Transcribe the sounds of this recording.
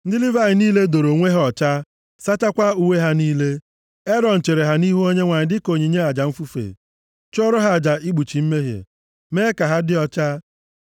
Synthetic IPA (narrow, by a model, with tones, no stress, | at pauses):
n̩˦dɪ˦li˦va˦˨ɪ˨niː˦le˦do˨ɾo˨ŋʷe˦ɦɔ˨t͡ʃa˦ | sa˦t͡ʃa˦kʷa˦u˦we˦ɦa˦niː˦le˦ | e˦ɾɔ˨n̩˨t͡ʃe˨ɾe˨ɦa˦ni˦ɦu˦o˦ɲe˦ŋʷa˨ɲɪ˨dɪ˦ko˨ɲi˨ɲe˦a˨d͡ʒa˨m̩˦fu˦fḛ˨ | t͡ʃo˦ɾʊ˦ɦa˦˨d͡ʒa˨i˦ɡ͡bu˨t͡ʃi˨m̩˦me˦ɦḛ˨ | meː˦ka˨ɦa˦dɪ˦ɔ˦t͡ʃa˦